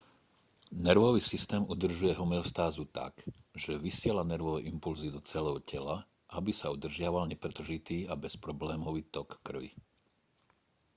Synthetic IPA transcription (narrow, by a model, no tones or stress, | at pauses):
nɛɾʋɔʋiːsist̪ɛːmʔud̪r̩ʒujɛɦɔmɛɔst̪aːzut̪a̰k | ʒ̥ɛʋisɪɛlanɛɾʋɔʋɛʔimpulzid̪ɔt͡sɛlɛʊcɛla | ʔabisaud̪r̩ʒɪaʋalɲɛpɾɛt̪r̩ʒit̪iːabɛspɾɔblɛːmɔʋiːt̪ɔkːr̩ʋḭ